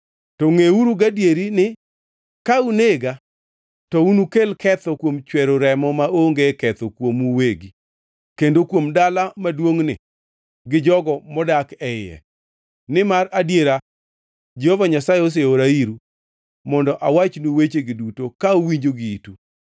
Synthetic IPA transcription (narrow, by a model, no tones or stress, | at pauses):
tɔŋeuɾuɡadjeɾinɪ | kauneɡa | tɔunukelkɛt̪ɔkwomt͡ʃwɛɾoɾɛmɔmaoŋɡekɛt̪okwomuweɡi | kendokwomdalamadwoŋnɪ̰ | ɡɪd͡ʒɔɡɔmɔdakɛjɛ̰ | nɪmaɾadjeɾa | d͡ʒɛhɔvaɲasaeos̬eoɾaiɾu | mɔndɔʔawat͡ʃnuwet͡ʃeɡɪdutokaowiɲd͡ʒoɡɪitu